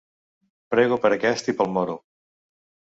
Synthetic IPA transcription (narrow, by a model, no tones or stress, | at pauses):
pɾɛɣupəɾəkɛst̪ipəlˠmɔɾu